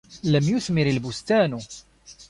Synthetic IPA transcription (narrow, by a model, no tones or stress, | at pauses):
læmjʊθmɪɾəlbʊst̪ænu